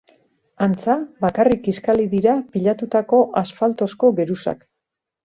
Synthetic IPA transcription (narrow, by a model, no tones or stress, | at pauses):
ant͡saβakarikiskaliðiɾapiʎat̪ut̪ako̞ʔasfalt̪o̞sko̞ɡe̞ɾusa̰k